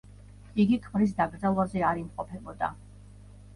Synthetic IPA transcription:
iɡikʰmɾis̬d̪aɡɾd̪zalˠwazɛaɾimqʼɔpʰɛbɔd̪a̰

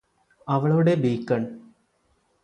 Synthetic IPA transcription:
ɐʋɐɭɐuɽebiːkːɐɳ

